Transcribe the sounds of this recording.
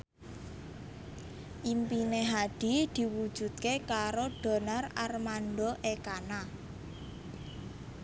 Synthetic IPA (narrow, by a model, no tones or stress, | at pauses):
ʔimpineɦaɖ̥i̤d̪̥i̤wud̥ʒ̥ṳd̪̚kekaɾoɖ̥o̤nararmanɖoʔekana